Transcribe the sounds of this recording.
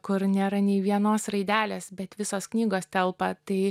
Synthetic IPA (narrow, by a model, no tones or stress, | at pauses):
kʊɾnʲeːɾɐnʲɛɪʋʲiɛnoːsrɐɪd̪ʲæːlʲeːsbʲɛt̪ʋʲɪsoːsknʲiːɡoːst̪ʲɛlˠpɐt̪ɐɪ